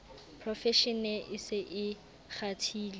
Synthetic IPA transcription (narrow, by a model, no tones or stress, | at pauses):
pʰrɔfɛʃɛnɛʔɪsɪʔɪ | χatʰiːli